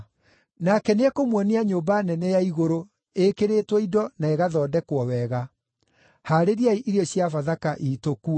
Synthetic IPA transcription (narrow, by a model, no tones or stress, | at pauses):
nakɛneɛkomwɔneaɲoːmbanɛnɛjaiɣoɾo | ekeɾetwɛidɔnaeɣaðɔːdɛkwɔwɛɣa | haɾeɾiaiʔiɾeɔɕjafaðakaʔitoku